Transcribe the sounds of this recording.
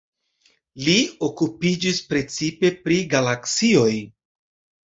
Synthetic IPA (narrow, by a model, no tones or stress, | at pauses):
lio̞kupid͡ʒispɾe̞t͡sipe̞pɾiɡalaksio̞j